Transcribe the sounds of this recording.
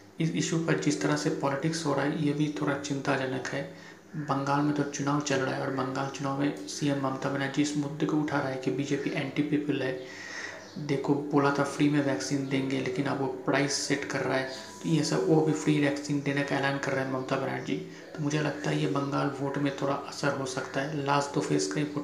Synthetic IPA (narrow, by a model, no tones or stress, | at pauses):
ɪsɪʃupɐɾd͡ʒɪst̪əɾasepɔːlɪʈɪksɦoːɾaːɦɛjebʱit̪ʰoːɽat͡ʃɪ̃nt̪ad͡ʒɐnəkɦɛː | bɐ̃ŋɡaːlmẽt̪ot͡ʃʊnaːʋwt͡ʃɐlɽa̰ːɦɛɔːɾbɐ̃ŋɡaːlt͡ʃʊnaːʋmẽsiːɛmːɐmt̪abənaːd͡ʒiɪsmʊd̪ːkoʊʈʰaɾaɦɛkibiːd͡ʒeːpiʔɛ̃ːɳʈipiːpəlɦɛː | d̪eːkʰoboːlat̪afɾiːmẽʋɛːksiːnd̪ẽːŋɡeleːkɪnɐbʋopɾʔaːɪsːeʈkɐɾːaːɦɛː | t̪ojesəbobʱifʰɾiːʋɛːksiːnɖeːnekaɛlaːɪnkɐɾːəɦɛmɐmt̪abəna̰ːʈd͡ʒiː | t̪omʊd͡ʒʱelɐɡt̪aɦɛjebɐ̃ŋɡaːlʋoːʈmẽt̪ʰoːɽa̰ʔɐsəɾɦosɐkt̪aɦɛlaːsʈt̪oːfʰeːskaipo